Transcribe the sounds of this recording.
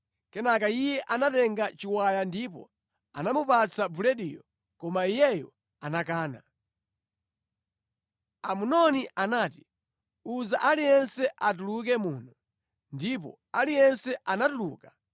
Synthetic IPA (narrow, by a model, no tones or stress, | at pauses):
kɛnakaijɛʔanatɛŋɡat͡ʃiwajandipɔ̰ | a̰namupat͡sʰabulɛɗḭjɔ | kɔmaijɛjɔ | anakaːna̰ | amunɔniʔanaːti̥ | uzaʔalijɛnsɛʔat̬uluk̬ɛmuːnɔ | ndip̬ɔ̰ | alijɛnsɛʔanatulṵːka